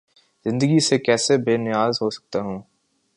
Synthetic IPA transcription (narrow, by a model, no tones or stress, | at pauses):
z̥ɪ̃nd̪əɡisekɛːsebeːnɪjaːzɦosɐ̥k̚t̪aɦũː